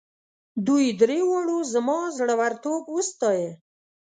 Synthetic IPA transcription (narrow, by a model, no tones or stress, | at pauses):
d̪ujd̪ɾewɑɽuzəmɑzɽawaɾt̪obwəst̪ɑje